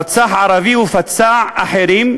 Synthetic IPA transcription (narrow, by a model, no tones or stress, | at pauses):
ɾt͡saːħʕɑɾˤɑviːwɪfat͡sːaːʕaħeɾiːm